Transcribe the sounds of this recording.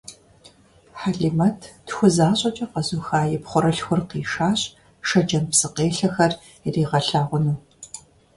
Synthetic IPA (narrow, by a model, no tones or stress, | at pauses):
ħaɮimɐtʰtxʷʊzaːɕʼɐt͡ʃʼɐqɐzuxaːjɛpχʷʊɾɐɬxʷʊrqiːʃaːɕʼ | ʃɐd͡ʒɐmpsɨqeːɬɐxɐr | iriːʁɐɬaːʁʷʊnuː